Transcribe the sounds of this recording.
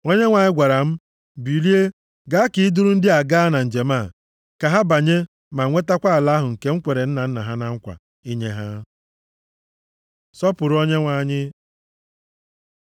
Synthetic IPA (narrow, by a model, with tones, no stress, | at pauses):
o˦ɲe˦ŋʷa˨ɲɪ˦ɡʷa˨ɾa˨m̩˦ | bi˨li˦e˦ | ɡa˦ki˨ɪ˦dʊ˦ɾʊ˦n̩˦dɪ˦a˨ɡa˦na˨n̩˨d͡ʒe˨ma˦˨ | ka˨ɦa˦ba˨ɲe˦ | ma˨ŋʷe˦ta˦kʷa˦a˨la˦ɦʊ˨ŋ̩˨ke˦ŋ̩˦kʷe˨ɾe˨n̩˦na˨n̩˦na˨ɦa˦na˦ŋ̩˦kʷa̰˨ | i˦ɲe˦ɦa˦ | sɔ˦pʊ˨ɾo˦ɲe˦ŋʷa˨ɲɪ˦